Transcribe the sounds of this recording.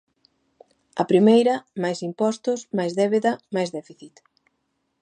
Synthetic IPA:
ɐ̰pɾimejɾɐmajsimpɔst̪ʊsmajzðɛβeðɐmajzðɛfiθit̪

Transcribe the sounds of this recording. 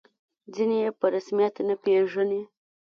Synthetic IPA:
d͡zinejepəɾasmijat̪napeʐəne

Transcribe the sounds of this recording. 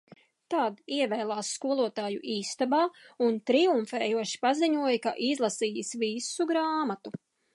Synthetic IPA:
t̪aːd̪iɛvɛːlˠaːsːkuɔlˠuɔt̪aːjuʔiːst̪abaːunt̪ɾiuɱfɛːjuɔʃi̥paziɲuɔjkaʔizlˠasiːisvisuɡɾaːmat̪u

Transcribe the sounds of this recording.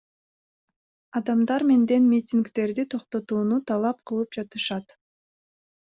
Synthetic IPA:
ɑd̪ɑmd̪ɑɾme̞nd̪e̞nmʲitʲiŋkt̪e̞ɾd̪it̪ʰo̞qt̪o̞t̪uːnut̪ʰɑlˠɑp̚qʰɯlˠɯp̚d͡ʒɑt̪ɯʃɑt̪

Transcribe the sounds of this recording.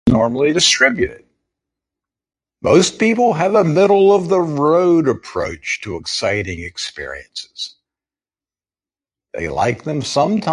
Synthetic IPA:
nɔɹml̩ˠidɨstɹ̥ɪbjʉɾɪ̰d̚ | moʊspipl̩ˠɨvəmɪɾl̩ˠʌvðəɹoʊɾɨpʰɹ̥o̰ʊt͡ʃtʰɨəksaɪɾɪ̃ŋɨkspɪ̰ɹḭɨ̃nsɨ̥z̥ | ðḛɪla̰ɪk̚ðɨ̃msʌ̃mtʰa

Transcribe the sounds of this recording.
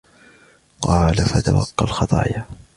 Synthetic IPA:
qɑːlafat̪awɑ̰qːɑlxɑt̪ˤɑ̰ːja

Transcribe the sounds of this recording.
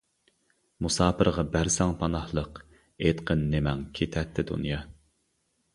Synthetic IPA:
musɑːpɨɾʁɑbæɾsɑŋpʰɑnɑhlˠəq | et̪qʰənːemɛŋkʲʰet̪ʰɛt̪ʰːɪd̪ṵnjɑ

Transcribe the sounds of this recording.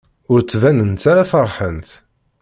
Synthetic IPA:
ʊɾt͡sːvænənt̪aɾafərˤħənt̪

